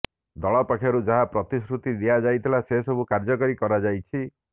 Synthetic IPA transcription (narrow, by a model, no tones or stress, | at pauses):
d̪ɔɭɔpakʰjɔɾud͡ʒaɦapɾɔt̪isɾut̪id̪iad͡ʒajt̪ʰilasesɔbukaɾd͡ʒɔkɔɾikɔɾad͡ʒajt͡ʃʰi